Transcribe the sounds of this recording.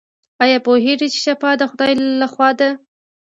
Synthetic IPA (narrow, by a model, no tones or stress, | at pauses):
ɑjɑpoɦeɖit͡ʃe̥ʃafɑd̪əxʊd̪ɑjlaxwɑd̪a